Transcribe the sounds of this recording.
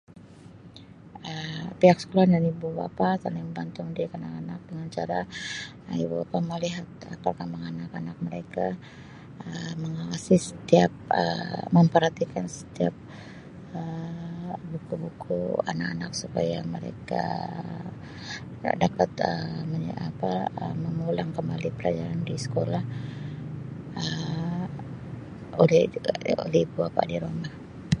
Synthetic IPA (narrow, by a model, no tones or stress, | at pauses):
əpiakskulandanibuba̰pasalɪŋəbant̪ʊŋdikanakanak̚pəŋat͡ʃaɾa | əḭbubapaməliɦat̪̚ə̰pərkamaŋanakanak̚məɾeka | əməŋawasisə̥t̪iap̚ə̰məmpərhat̪ikansə̥t̪iap̚ | ə | bukubukṵa̰nakanak̚supajaməɾḛka̰ | dapat̪əməapaəməŋulaŋkəmbalipəlad͡ʒaɾandisə̥kolah | ə | olɛo̰lɛiibuapa̰diɾomah